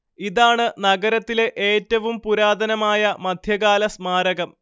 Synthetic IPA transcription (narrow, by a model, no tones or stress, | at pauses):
iðaːɳɨnɐɡɐɾɐt̪ːile̞ʔeːtːɐʋumpuɾaːd̪ɐnɐmaːjɐmɐd̪ʱjɐɣaːlɐsmaːɾɐɣɐm